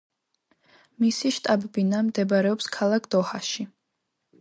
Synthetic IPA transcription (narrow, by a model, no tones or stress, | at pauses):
misiʃt̪ʼabɛbinamd̪ɛbaɾɛɔpskʰalˠakʰd̪̥ɔhaʃi